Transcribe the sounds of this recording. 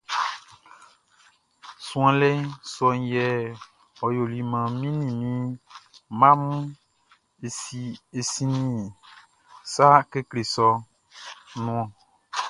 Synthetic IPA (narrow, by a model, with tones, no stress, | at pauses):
sũ˦ã˨lɛ˦sɔ˦ŋ˦jɛ˦˨ | ɔ˨jo˨li˨mã˨mĩ˦nĩ˨mĩ˦ | mã˦mũ˦ | e˨si˨e˨si˦nĩ˦˨ | sa˦ke˦kle˨sɔ˦ | nũ˨ã˨